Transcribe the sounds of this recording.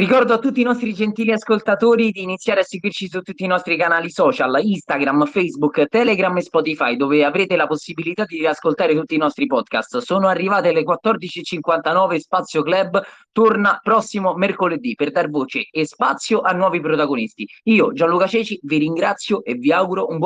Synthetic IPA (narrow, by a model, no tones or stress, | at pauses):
rikɔrd̪oat̪ːut̪ːiːnɔst̪ɾid͡ʒent̪iːliaskolt̪at̪oːɾid̪iːnit̪sːjaːɾeasːeɡwirt͡ʃisut̪ːut̪ːiːnɔst̪ɾikanaːlisɔːt͡ʃalist̪aɡɾamfejzbukt̪ɛleɡɾamespɔt̪ifajd̪oːveavɾeːt̪elaposːibilit̪ad̪iaskolt̪aːɾet̪ut̪ːiːnɔst̪ɾipɔd̪ka̰st̪soːnoarːivaːt̪ealekwat̪ːɔrd̪it͡ʃiet͡ʃiŋkwant̪anɔːvespat̪sjoklɛbːt̪ornapɾɔsːimomerkoled̪iperd̪arvoːt͡ʃeespa̰t̪sːjoʔanːwɔːvipɾot̪aɡonist̪iiːod͡ʒanlukat͡ʃɛːt͡ʃiviɾiŋɡɾat̪sːjoʔeviawɡuɾoumb